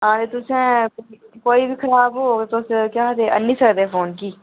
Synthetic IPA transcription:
ɦãːd̪et̪ʊsẽ | koːibʱikʰɐɾaːbɦoːt̪oskjaːd̪eʔə̰nːisəkd̪eɛfʰoːnkiː

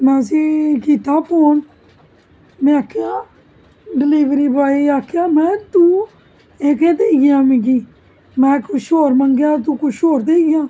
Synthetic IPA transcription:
mɛ̃ːəsiːkiːt̪aːpoːɳ | mɛ̃ːakʰːjãː | ɖɪliːʋɾiːbaːiːaːkʰːjãːmɛ̃ːt̪ũː | eːkeːd̪eːɡɪjãːmĩkiː | mɛ̃ːkʊʃoːɾməŋɡɪjãːt̪̬ũːkʊt͡ʃʰoːɾd̪eːɡɪjãː

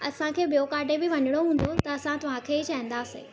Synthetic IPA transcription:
ɐsãkʰeːbijokaːʈebɪʋɐɲɪɽ̃oɦũːn̆d̪ot̪ɐɐsãt̪ɐʋ̤ãkʰeːit͡ɕaːĩn̆d̪aːsḛː

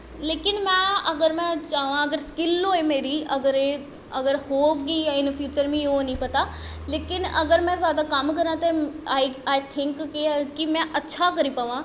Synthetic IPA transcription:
leːkɪnmɛ̃ɐɡəɾmɛ̃t͡ʃaːʋãɐɡəɾskɪlɦoːemeːɾiɐɡəɾe | ɐɡəɾhoːkiɪ̃nfjuːt͡ʃəɾmẽɦonɐĩpɐt̪a | leːkɪnɐ̰ɡəɾmɛ̃zjaːd̪akɐmkɐɾãt̪ɐaiaːɪt̪ʰɪ̃ŋkːikimɛ̃ʔɐtːʃʰakɐɾipɐʋã

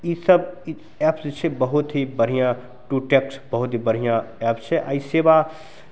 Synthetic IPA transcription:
isəb | ɛːpst͡ʃʰɛbəɦʊt̪ɦibɐɾ̤ijã | ʈuʈeːksbɐɦʊt̪ɦibɐɾɦijãɛːpt͡ʃʰɛʔa̰ːiseba

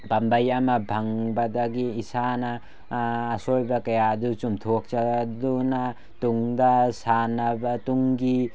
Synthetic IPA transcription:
bambajamabʱaŋbadaɡiːsanaː | sojbɐkajaːdut͡ʃumtʰok̚t͡ʃaduna | tuŋdasanabatuŋɡi

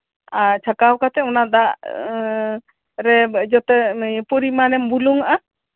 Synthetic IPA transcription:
at͡ʃʰakawkat̪ɛɔnad̪aʔ | ɾɛd͡ʒɔt̪ɛpɔɾimanɛmbuluŋaʔa

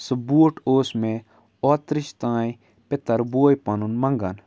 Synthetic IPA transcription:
sɐbuːʈoːsmẽ | ɔːt̪ɾɪʃt̪ãːj | pɪt̪ɐɾboːjpɐnunmɐ̃ŋɡan

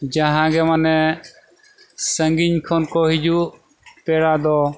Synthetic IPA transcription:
d͡ʒəɦãːɡɛmənɛ | səŋɡɪɲkʰoːnkoːɦɪd͡ʒuː | peːɽaːd̪ɔː

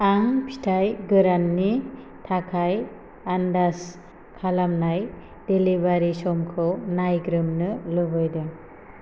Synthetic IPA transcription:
aŋpʰi̥tʰajɡɯɾanːi | tʰakʰaj | andas | kʰalamnaj | d̥elibaɾisɔmkʰɯwnajɡɾɯmnɯlɯbɯjdɯ

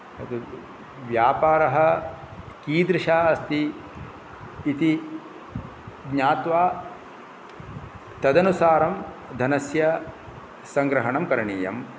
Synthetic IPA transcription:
ɐt̪u | ʋjaːpaːɾɐɦɐ̆ | kiːd̪ɾɪʃaːɐst̪i | t̪i | ɡɲaːt̪ʋaː | t̪ɐd̪ɐnusaːɾɐm | d̪ʱɐnɐsjɐ | sɐŋɡɾɐɦɐɳɐmkɐɾɐɳiːjɐ̰m

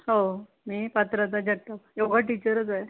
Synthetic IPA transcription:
ɦo | miːpət̪ɾət̪ad͡ʑəɽʈ̪ːajeɡʱaʈit͡ɕəɾət͡sae

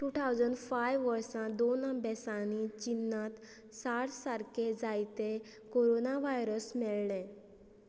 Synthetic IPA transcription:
ʈut̪ʰawd͡zəɳɖfajʋʋəɾsãd̪onəbɛsãnit͡ɕinːãt̪ | saʈsaɾkʰed͡zajt̪e | koɾonaʋajɾəsmɛɭɳẽ

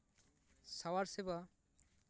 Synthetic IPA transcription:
sawaɾseba

